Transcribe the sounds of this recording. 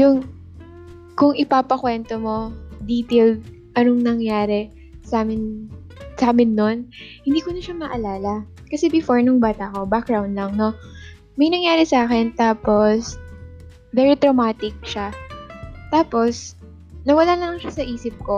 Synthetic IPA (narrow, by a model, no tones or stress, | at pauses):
jʊŋ | kʊŋɪpaːpɐkwɛnt̪omo̞d̪iːt̪eld̪̚ | ʔɐnoŋnɐŋjaːɾɛ | saːmɪn | saːmɪnːo̞nhɪnd̪iːkonɐʃamɐʔɐlaːlɐkɐsɛbɪfoɹnʊŋbaːt̪ɐʔko̞bak̚ɡɹawnd̪lɐŋno̞ | mɐjnɐŋjaːɾɛsɐʔaːkɛnt̪aːpo̞s | vɛːɾit̪ɾomaːt̪ɪk̚ʃa | t̪aːpo̞s | nɐwɐlalɐŋʃasɐʔiːsɪp̚ko̞